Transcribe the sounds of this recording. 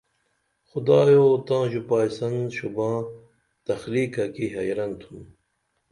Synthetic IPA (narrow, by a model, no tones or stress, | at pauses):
xʊd̪aːjoːt̪ãːʑupaːjsɐnɕubãː | t̪ɐxliːkakiɦɐjɾɐnt̪ʰun